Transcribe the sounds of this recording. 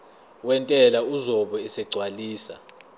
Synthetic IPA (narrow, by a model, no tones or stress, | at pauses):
wɛntʼɛlauzɔɓɔɛsɛɡ͡ǀʱwaliːsa̰